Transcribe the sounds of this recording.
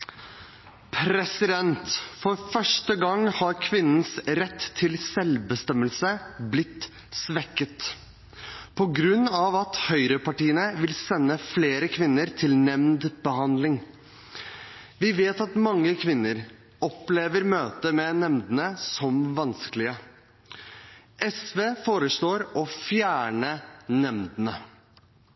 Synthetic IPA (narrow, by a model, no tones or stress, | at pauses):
pʰɾɛsɪd̪ɛnt̪fɔɾfœʂʈəɡɑŋhɑɾkʰʋɪnːən̩sɾɛt̪ʰːɪlsɛlbəst̪ɛməlsəblɪt̪ː | sʋɛkːət̪ | pʰɔɡɾʉnːɑʋɑt̪hœʏɾəpɑʈiːənəʋɪlsɛnːəfleːɾəkʰʋɪnːəɾt̪ʰɪlnɛmnd̪bəhɑnd̪lɪŋ | ʋɪʋeːt̪ɑt̪mɑŋːəkʰʋɪnːəɾ | ɔpleːʋəɾmøːt̪əmɛnɛmd̪ənəsɔmʋɑnskəlɪə | ʔɛsʋeːfoːɾəʂloːɾɔfjæːɳənɛmd̪ənə